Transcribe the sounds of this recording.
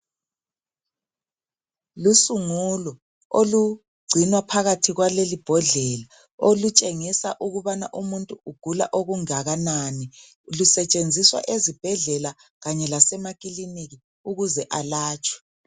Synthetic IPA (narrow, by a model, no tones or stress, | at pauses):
lusuŋulɔ | olu | ɡ͡ǀʱinwapʰaɣatʰiɣwalelib̥ʱɔɮɛla | olut͡ʃʼeŋisaʔuɣuβana̰ʔumuntʼuuɡ̥ʱula̰ʔoɣuŋaɣanani | lusɛt͡ʃʼend͡zʱiswa̰ʔezib̥ʱɛɮɛla | ɣaɲɛlasɛmakʼiliniɣi | uɣuzɛʔalaːt͡ʃʼwɛ̥